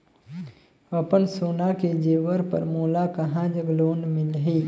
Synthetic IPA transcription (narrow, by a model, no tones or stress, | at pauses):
əpənsoːnaked͡ʒeːʋəɾpə̰ɾmoːlakəɦãd͡ʒəɡloːnmɪlɦiː